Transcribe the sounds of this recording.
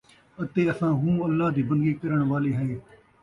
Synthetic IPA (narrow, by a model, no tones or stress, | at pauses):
ət̪eːəsãːɦũːəlːaːd̪iːbənd̪ɡiːkəɾəɳ̃ʋaːliːɦɛeː